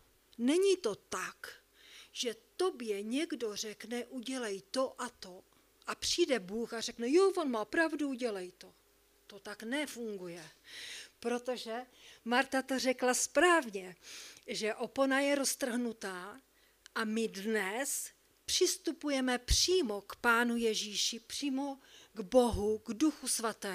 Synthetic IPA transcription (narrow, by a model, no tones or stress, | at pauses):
nɛɲit̪o̞t̪ak | ʒ̥ɛt̪o̞bjɛɲɛɡdo̞r̝ɛknɛʔuɟɛlɛjt̪o̞ʔat̪o̞ | ʔapr̝̥iːdɛbuːxar̝ɛknɛjo̞vo̞nmaːpɾavduuɟɛlɛjt̪o̞ | t̪o̞t̪aknɛfuŋɡujɛ | pɾo̞t̪o̞ʒɛ | maɾt̪at̪orɛklaspɾaːvɲɛʒɛʔo̞ponajɛɾo̞st̪r̩ɦnut̪aː | ʔamɪdnɛs | pr̥ɪst̪upujɛmɛpr̥iːmo̞kpaːnujɛʒiːʃɪpr̥iːmo̞ɡboɦuɡduxusvat̪ɛː